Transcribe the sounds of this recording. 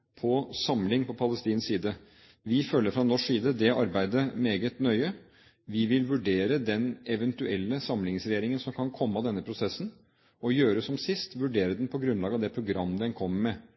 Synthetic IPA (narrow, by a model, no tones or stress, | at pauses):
pʰɔsɑmlɪŋpʰɔpʰɑləst̪iːnsiːd̪ə | ʋɪfœlːəɾfɾɑnɔʂsiːd̪əd̪ɛɑɾbæɪd̪əmeːɡət̪nœʏə | ʋɪʋɪlʋʉɖeːɾəd̪ɛnɛʋɛnt̪ʉɛlːəsɑmlɪŋsɾɛjeːɾɪŋənsɔmkʰɑnkʰɔmːəɑd̪ɛnːəpʰɾʊsɛsn | ɔjøːɾəsɔmsɪst̪ʋʉɖeːɾəd̪ɛnpʰɔɡɾʉnlɑːɡɑʋd̪ɛpʰɾʊɡɾɑmːəd̪ɛnkʰɔmːəmɛ